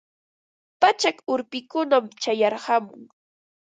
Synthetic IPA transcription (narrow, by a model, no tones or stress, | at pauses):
pat͡ʃakʊɾpɪkʊnamt͡ʃajɑɾhɑmʊŋ